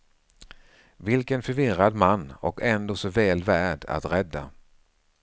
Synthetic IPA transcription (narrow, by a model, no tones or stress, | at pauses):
vɪlkənfœɾvɪɾad̪manːɔkʰɛnd̪oːsɔvɛːlvæːɖa̰t̪ɾɛd̪ːa̰